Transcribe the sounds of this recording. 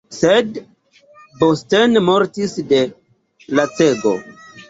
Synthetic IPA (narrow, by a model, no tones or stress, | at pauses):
sed | bostenmo̞ɾtisde̞ | lat͡se̞ɡo̞̰